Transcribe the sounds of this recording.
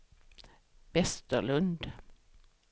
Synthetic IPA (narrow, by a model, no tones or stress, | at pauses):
ʋɛst̪əlɵnd̪